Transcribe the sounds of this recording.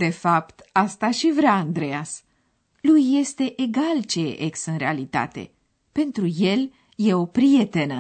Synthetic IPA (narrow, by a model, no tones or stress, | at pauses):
d̪e̞fapt̪ast̪aʃivɾeaːnd̪ɾe̞as | lujːe̞st̪e̞ʔeɡalt͡ʃeḛʔeksɨnɾe̞alit̪a̰t̪e̞̰ | pe̞nt̪ɾuje̞l | je̞o̞pɾije̞t̪e̞nə